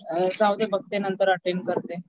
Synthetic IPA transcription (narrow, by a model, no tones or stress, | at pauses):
sawd̪ebəɡ̚t̪enənt̪əɾəʈeɳkəɾt̪e